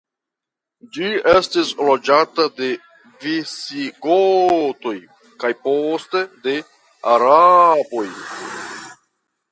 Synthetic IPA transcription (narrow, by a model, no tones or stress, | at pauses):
d͡ʒiestislod͡ʒatade̞ | visiɡoto̞j | kajposte̞de̞ | aɾabo̞j